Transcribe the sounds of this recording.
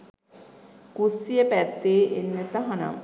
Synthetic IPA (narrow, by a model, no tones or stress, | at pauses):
kusijəpæt̪ːeːʔenːet̪aɦana̰ŋ